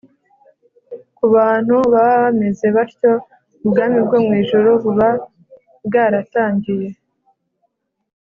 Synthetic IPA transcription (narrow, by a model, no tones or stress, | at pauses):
kuβaːn̥huβaβaβame̞ze̞βaɾco̞ | ubɡaːmibɡomŋiːʒoɾoβuβa | bɡaɾataːɲɟije̞